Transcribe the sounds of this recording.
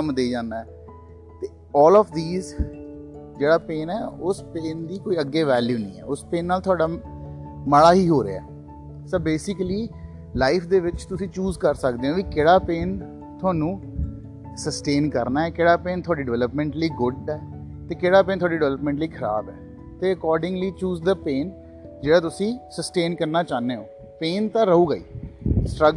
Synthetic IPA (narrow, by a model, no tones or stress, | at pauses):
əmd̪eːd͡ʒãːnːaːɛ | t̪eː | ɔːlɔːfʰd̪iːz | d͡ʒeːɽaːpeːnɛːʊspeːnd̪iːkoːiːəɡeːʋɛːljuːnəḭ̃ːɛ̰ːʊspeːnːaːlt̪ʰʊaːɖaː | məɭaːɦiːɦoːɾḛaɛː | səbeːsɪkliː | laːɪpʰd̪eːʋɪt͡ʃt̪ʊsĩːt͡ʃuːzkəɾsəkd̪eːɦõːʋiːkɪɽaːpeːn | t̪ʰʊaːnũː | səsʈeːnkəɾnaːɛːkɪɽaːpeːnt̪ʰʊaːɖiːɖɪʋɛːləpmɛ̃ːɳʈliːɡʊɖɛː | t̪eːkeːɽaːpẽːnt̪ʰoaːɖiːɖɪʋɛːləpmɛ̃ːɳʈliːkʰəɾa̰ːbɛ̰ː | t̪eːəkɔːɾɖɪ̃ŋɡliːt͡ʃuːzd̪əpeːn | d͡ʒeːɽaːt̪ʊsĩːsəsʈeːnkəɾnaːt͡ʃaːneːɦoː | peːnt̪ãːɾəuːɡəḭːsʈɾə